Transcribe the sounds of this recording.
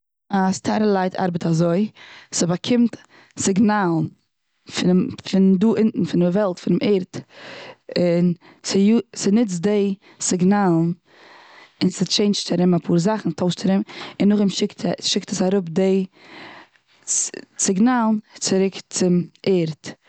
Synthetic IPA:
astʰaɾəlˠaɪtʰa̰ɾbətazoɪsɪbakʰɪmt | sɪɡnaːlˠn | fɪfɪnduːʔɪnn̩fɪnɪvɛlˠtfɪnɪmɛːɾt | ɪn | sɪjusɪnɪt͡sdeɪ | sɪɡnaːlˠn̩ | ɪnsɪt͡ʃeɪnt͡ʃtaɾɪmapʰuːɾzaχn̩tʰoʊʃtaɾɪmɪnːʊχɪmʃɪktʰʃɪktəsaɾʊp̚de | t͡sɪɡnaːlˠnt͡sɪɾɪkt͡sɪmeːɾt

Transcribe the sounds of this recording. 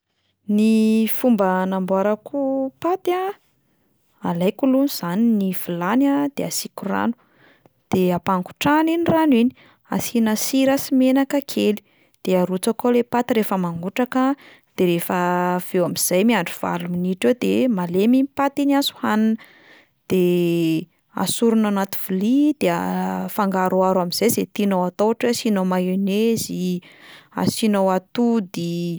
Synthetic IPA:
nifumbənambaɾəkʰupat̪a | alajkulunuz̥aniniv̥ilanad̪̥easikura̰nu̥ | d̪̥eapaŋku̥ʈ͡ʂaniniranwini | a̰sinasiɾasimenakəkʰeli̥ | d̪̥eaɾut͡sakolepat̪iɾefəmaŋɡuʈ͡ʂakə | d̪̥eɾefəv̥ewamiz̥ajmiaɳɖ͡ʐuv̥a̰luminiʈ͡ʂed̪ḛmaleminipat̪inazu̥hananə | d̪̥e | a̰suɾunanat̪uv̥ulid̪̥eafaŋɡaɾuaɾamiz̥ajzet̪inowat̪owaʈ͡ʂweasinomajenezi | a̰sinawat̪ud̪i

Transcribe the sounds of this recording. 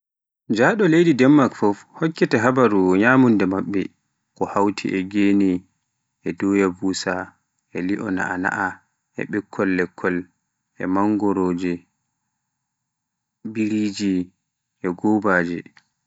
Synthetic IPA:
d͡ʒaːɗɔlejdidɛmːakfɔfhɔkːɛtɛɦabaɾuɲaːmundɛmaɓːɛ | kɔhawtʰḭʔɛɡeːni | ʔɛdɔjabusa | ɛliʔɔna̰ʔana̰ʔa | ɛ̰ɓɛkʰːɔlːɛkʰːɔl | ʔɛmaŋɡɔɾoːd͡ʒɛ | biɾid͡ʒi | ʔɛɡɔbaːd͡ʒɛ

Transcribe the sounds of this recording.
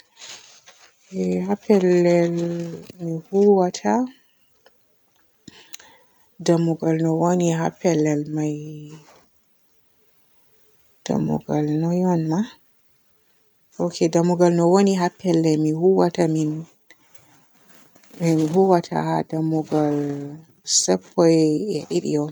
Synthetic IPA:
ɛhapɛlːɛlmihuwatʰa | damuɡalnɔwoniɦapːɛlːɛlmaj | d̥a̰mṵɡalnɔjɔnːa | ʔokʰedamuɡalnɔwoniɦapːɛlːɛmihuwatamin | miɦuwatʰa̰hadamuɡal | sɛpʰːɔjɛɗiɗḭjɔ

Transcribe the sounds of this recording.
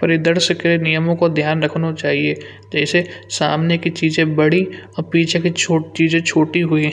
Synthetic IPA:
pɐɾɪd̪əɾsəkenɪjəmõkod̪ʱjaːnɾɐkʰnot͡ʃaːɦie | d͡ʒɛːsesa̰ːmnekit͡ʃiːzẽbɐɽiɔpiːt͡ʃʰẽkit͡ʃʰoːt͡ʃiːzẽt͡ʃʰoːʈiɦʊi

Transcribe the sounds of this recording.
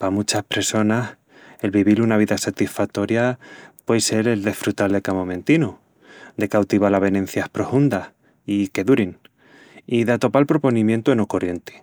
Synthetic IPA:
pamut͡ʃahpɾe̞so̞nas | e̞lβiβilunaβ̞iðasat̪isfak̚t̪o̞ɾjapwejse̞ɾe̞ld̪e̞sfɾut̪alðekamomẽnt̪ino | d̪e̞kawt̪iβalaβe̞ne̞n̟θjahpɾofund̪ah | ike̞ðuɾin | iðat̪o̞palpɾo̞po̞nĩmje̞nt̪oenokorje̞nt̪e̥

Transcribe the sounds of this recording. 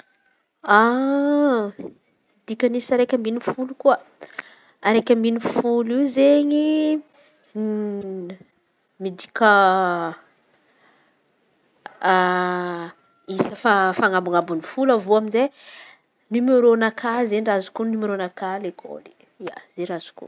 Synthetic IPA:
a | mid̪ikʲənisaɾekʲəmbinifulukuə | aɾekʲəminifuliwzeɲi | mid̪ikʲə | isəfafaŋabuŋabunifulavoaminze | numeɾonakʰazeɲrazu̥kunumeɾonakalekʰo̰li | ia̰z̥eɾaz̥u̥kṵ

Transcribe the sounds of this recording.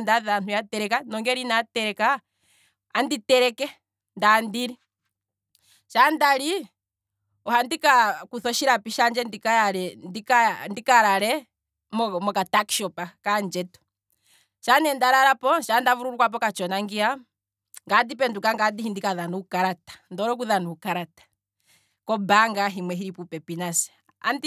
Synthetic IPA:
ndaðanujatɛɾɛkanɔŋɡɛɾinatɛɾɛka | anditɛɾɛkɛ | ndandiɾi | ʃandaɾi | ɔhandikakuθɔʃiɾapiʃand͡ʒɛndikajaɾɛndikandikaɾaɾɛ | mɔmɔkataki̥ʃɔpakand͡ʒɛtɔ̥ | ʃanɛndaɾaɾapɔʃandavuɾuɾukwap̬ɔkat͡ʃɔnaŋɡia | ŋɡadipɛndukaŋɡadihindikaðanuukaɾatḁndɔɾɔkuðanuukaɾatḁ | kɔbaŋɡaɦimwɛɦiɾipupɛpinasɛ̥ | a̰nd

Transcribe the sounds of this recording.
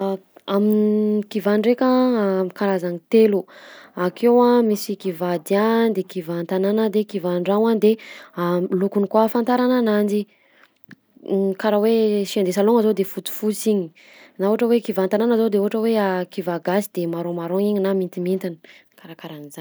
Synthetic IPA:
amikivaɳɖ͡ʐekakaɾazanit̪eluakʰewamisikivad̪iand̪ekivant̪ananəd̪ekivaɳɖ͡ʐawand̪ealukunikwafant̪aɾananand͡ʒi | kaɾaweʃiand̪esaloŋazod̪efut̪u̥fut͡siɲi | nauaʈ͡ʂəwekivant̪ananazod̪euɦaʈ͡ʂəweakivaɡasid̪emaɾomaɾoŋiɲinamint̪imint̪ini̥kaɾakaɾaniza

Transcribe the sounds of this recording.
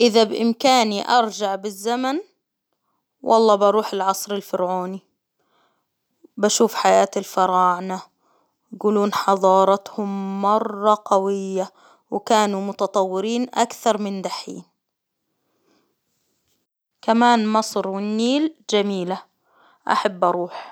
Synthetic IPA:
ʔɪðabʔɪmkaːniʔɑɾˤd͡ʒaʕbɪzːaman | wʔɑ̰lˤːɑːbɑɾˤuːħɪlʕɑsˤɾɪlfɪɾʕuːni | baʃuːfħajaːt̪ɪlfɑɾˤɑːʕna | ɡuːluːnħɑðˤɑːɾˤɑt̪hʊmːɑrˤːɑqawɪjːa | wkaːnumʊt̪ɑt̪ˤɑwːɪɾiːnʔa̰kθɑɾˤmɪnd̪aħḭːn | kamaːnmɑsˤɾwɪnːiːld͡ʒamiːla | ʔa̰ħabːʔɑɾˤuːħ

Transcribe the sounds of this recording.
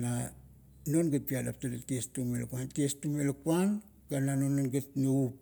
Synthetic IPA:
na | no̞nɡet̚piada̰ptadetiestumelakuantiestumelakuan | ɡ̥ananononɡetneup̚

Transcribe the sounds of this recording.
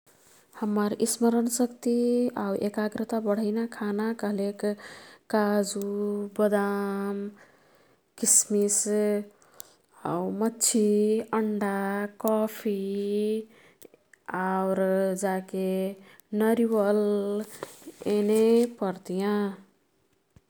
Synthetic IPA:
həmːəɾisməɾənsəkt̪iawʔekaɡɾət̪abəɽ̤əɪnakʰanakʌɦlekː | ad͡ʒubəd̪am | kismis | a̰umʌtːt͡ʃʰiəɳɖakɔpʰi | awɾd͡ʒake | nʌɾiwəl | enepʌɾt̪ijã

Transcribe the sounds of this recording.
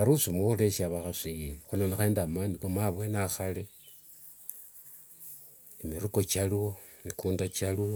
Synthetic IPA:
aɾusimwoxuleʃaβaxasixunonexeːndamaːnikomaβwenaxale | imiɾuko̞t͡ʃalwo | mikuːndat͡ʃalo

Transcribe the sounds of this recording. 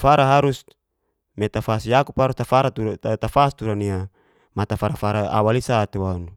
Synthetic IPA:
faɾaɦaɾus | met̪afasjakuphaɾust̪afaɾat̪ut̪afast̪uɾania | mat̪afaɾafaɾaa̰walisat̪ewanu

